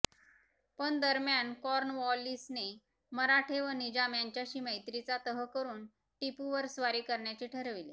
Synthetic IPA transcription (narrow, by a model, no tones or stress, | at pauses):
pəɳd̪əɾmjankɔɾnʋɔlːisne | məɾaʈʰeʋənid͡ʑamjaɲt͡ɕjaɕiːməjt̪ɾit͡sat̪əɦəkəɾuːn | ʈipuʋəɾsʋaɾiːkəɾɳjat͡ɕiːʈʰəɾʋile